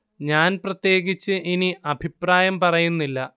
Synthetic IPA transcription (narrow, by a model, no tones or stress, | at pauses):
ɲaːnprɐt̪je̞ːɡit͡ɕːɨʔiniʔɐbʱipraːjɐmpɐrɐjunːilːɐ